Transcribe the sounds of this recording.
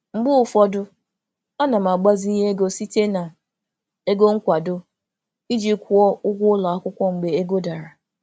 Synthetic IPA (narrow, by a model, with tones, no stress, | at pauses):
ŋ͡m̩˦ɡ͡bʊ˦ʊ˨fɔ˦dʊ˦ | a˦na˨m̩˨a˨ɡ͡ba˦zi˦i˦e˦ɡo˦si˦te˦na˨ | e˦ɡo˦ŋ̩˦kʷa˨dʊ˦ | i˦d͡ʒi˦kʷu˦ɔ˦ʊ˦ɡʷʊ˦ʊ˦la˨a˦kʷʊ˦kʷɔ˦ŋ͡m̩˨ɡ͡be˨e˦ɡo˦da˨ɾa˨